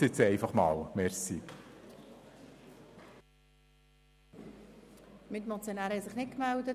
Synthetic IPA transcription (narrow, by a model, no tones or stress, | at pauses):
ɪt͡sɛɪfɑχmɑːwmɛɾsi | mɪt̪mot͡sjonæːɾhɛsɪχnɪt̚kmældə